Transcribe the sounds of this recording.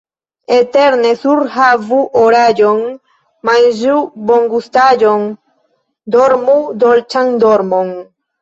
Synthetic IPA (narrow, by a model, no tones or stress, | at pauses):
et̪eɾnesuɾhavuʔoɾad͡ʒoŋ | majʒuboŋɡust̪ad͡ʒoŋ | d̪oɾmud̪olt͡ʃaŋd̪oɾmoŋ